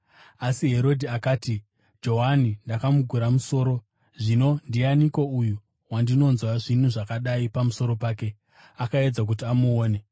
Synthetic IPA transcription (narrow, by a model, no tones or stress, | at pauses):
asiɦe̞ɾo̞dʱiakaːti | d͡ʒo̞ɦanindakamuɡʱuɾamuso̞ːɾo̞ | ʐino̞ndianiko̞uju | wandino̞nzwaʐin̤uʐakaɗaipamuso̞ɾo̞paːke̞ | akae̞d͡zak̬ut̬iamuoːne̞